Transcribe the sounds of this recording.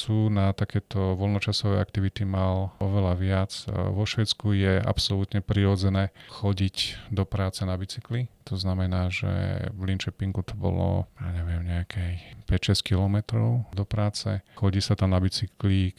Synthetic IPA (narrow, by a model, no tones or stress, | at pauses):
suːnat̪akɛːt̪ɔʋɔlnɔt͡ʃasɔʋɛakt̪iʋit̪imalɔʋɛlaʋɪat͡sʋɔʃʋɛt͡skujɛʔa̰psɔlut̪ɲɛpɾiɾɔd͡zɛnɛːxɔɟicd̪ɔpɾaːt͡sɛnabit͡siklit̪ɔznamɛnaːʒɛ̰ʋlint͡ʃɛpiŋɡut̪ɔbɔ̰lɔ̰jaːɲɛʋɪɛmɲɛakʰɛjpɛcʃɛsc̚kilɔmɛt̪ɾɔʊd̪ɔpɾaːt͡sɛ̰xɔɟiːsat̪amnabit͡sikli